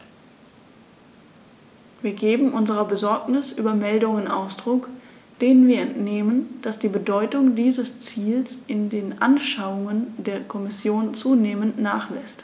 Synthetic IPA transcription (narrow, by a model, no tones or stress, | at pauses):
viːɐɡeːbm̩ʔʊnzəʁɐbəzɔɐknɪsʔyːbɐmɛldʊŋənʔa̰ʊsd̥ʁʊk | d̥eːnənviːɐɛntneːmənd̥asd̥iːbədɔʏtʊŋdiːzəst͡siːlsʔɪndeːnʔa̰nʃaʊʊŋəndeːɐkʰɔmɪsjoːnt͡suːneːməntnaːχlɛst